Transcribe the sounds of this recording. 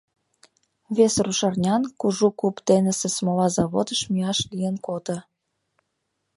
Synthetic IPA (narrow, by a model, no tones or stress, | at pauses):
βesruʃɑrnʲɑnkuʒukupt̪enə̆sesmolɑzɑβod̪əʃmiɑʃlijənkot̪ə̆